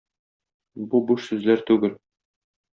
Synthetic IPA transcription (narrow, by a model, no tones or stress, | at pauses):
bubuʃsʉzlæɾt̪ʉɡɘl